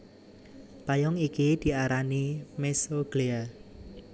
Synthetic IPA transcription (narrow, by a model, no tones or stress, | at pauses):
pajɔŋikid̪̥i̤aɾanimesoɡ̥lea